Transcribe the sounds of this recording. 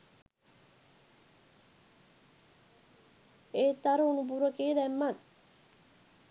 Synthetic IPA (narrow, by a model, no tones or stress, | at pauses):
eːt̪ːaɾəunup̬uɾəkeːd̪æmːat̪̚